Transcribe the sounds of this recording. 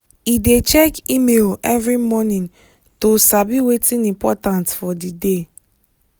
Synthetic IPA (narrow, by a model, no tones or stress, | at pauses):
idet͡ʃɛkimelɛvɹimɔnĩn | tosabiwetʰĩnĩmpɔtãntfɔdide